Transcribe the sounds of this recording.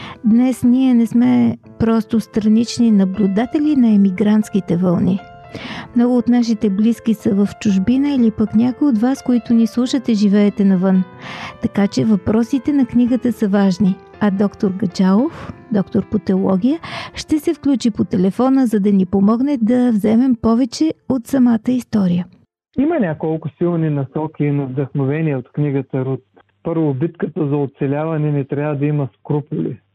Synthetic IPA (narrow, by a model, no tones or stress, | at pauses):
d̪nɛsniɛnɛsmɛ | pɾɔst̪ost̪ɾɐnit͡ʃninɐblʲud̪at̪ɛlʲinɐɛmiɡɾant̪sk̟it̪ɛvɐlˠni | mnɔɡʊːt̪naʃ̬it̪ɛbliskʲisəvəft͡ʃʊʒbinəilipəknʲakoiod̪vaskoit̪ʊnislˠuʃət̪ɛʒivɛːt̪ɛnɐvɤn | t̪ɐkat͡ʃɛvɐpɾɔsit̪ɛnɐkniɡət̪əsəvaʒni | ɐd̪ɔkt̪oɾɡɐt͡ʃalˠofd̪ɔkt̪oɾpot̪ɛolˠɔɡʲijəʃt̪ɛsɛfklʲut͡ʃipot̪ɛlɛfɔnəzɐd̪ɐnipomɔɡnɛd̪ɐvzɛmɛmpɔvɛt͡ʃɛot̪sɐmat̪əist̪ɔɾijə | imɐnʲakolˠkʊsilˠninɐsɔkʲiːnɐvd̪ɐxnovɛniɛot̪kniɡət̪əɾut̪ | pɤɾvʊbit̪kət̪əzɐot̪sɛlʲavɐnɛnɛt̪ɾʲavəd̪ɐimɐskɾupʊlḭ